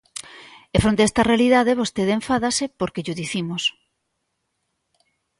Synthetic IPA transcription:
efɾont̪eɛst̪ɐrealiðaðeβ̞ost̪eðẽɱfaðasepoɾkeʎoðiθimos

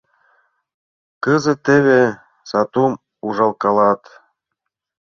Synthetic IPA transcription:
kɤzɤ̆t̪ːeβe | sɑt̪um | uʒɑlˠkɑlɑt̪

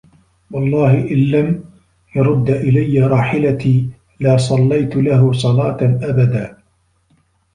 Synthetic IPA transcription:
wɑlˤːɑːhɪʔɪnːam | jɑɾˤʊd̪ːaʔɪlajːaɾˤɑːħɪlat̪iː | laːsˤɑlːajt̪laɦʊsˤɑlɑːt̪ʔabad̪aː

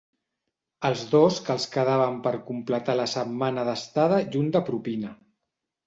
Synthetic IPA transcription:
əlˠzðoskəlˠskəðaβ̞əmpəɾkumplət̪aləsəmmanəðəst̪aðəʒund̪əpɾupinə

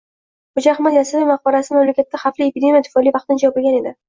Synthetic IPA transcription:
χʊd͡ʒaχmajasɪvimaq̚bɒɾasɪmamlakʲat̪ːaχafliepʲid̪ʲe̞mʲijat̪ʰɪ̥fɒlivɑqt̪ɪnɪd͡ʒɒɒpɪlɡʲane̞d̪ɪ

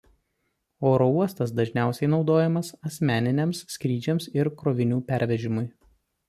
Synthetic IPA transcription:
oːɾouɔst̪ɐsd̪ɐʒʲnʲæˑʊsʲɛɪnɒʊd̪oːjɛmɐsɐsʲmʲæːnʲɪnʲemsːʲkɾʲiːd͡ʒʲɛmsɪɾkɾoːʋʲɪnʲuːpʲæɾʲʋʲɛʒʲɪmʊɪ

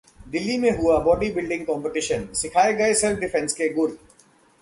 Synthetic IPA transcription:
d̪ɪlːimẽɦʊabɔːɖibɪlɖɪ̃ŋɡkɔ̃ːmpeʈɪʃənsɪkʰaːeɡɐesɛlpʰɖɪfʰɛ̃nskeɡʊɾ

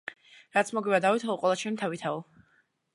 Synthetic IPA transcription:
ɾat̪sʰmɔɡiβad̪avit̪ʰauqʼwɛlˠat͡ʃʰɛnit̪ʰavit̪ʰau

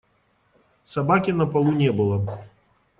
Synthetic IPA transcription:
sabakʲinɐpalˠunʲɛbɨlˠɐ

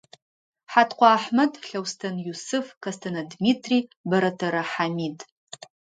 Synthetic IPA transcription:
ħatʰqʷʰʼaːħmatʼɬawstʰɐnjusɨfkʰastʰanadmitʰribaɾatʰaɾaħamid

